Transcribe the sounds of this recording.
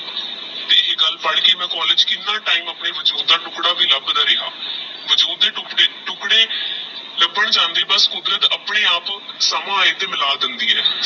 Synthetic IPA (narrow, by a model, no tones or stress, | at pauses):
t̪eːeːɡəlpəɽkeːmɛ̃ːkɔːlɪd͡ʒkɪ̃nd̪ãːʈaːiːməpɳeːʋəd͡ʒoːd̪aːʈʊkɽaːbiːləbd̪aːɾɪɦaːʋəd͡ʒoːd̪eːʈʊkɽeːʈʊkɽeː | ləbəɳd͡ʒãːnd̪eːbəskʊd̪ɾət̪əpɽeːaːpsəmãːeːt̪eːmɪlaːd̪ənd̪iːɛː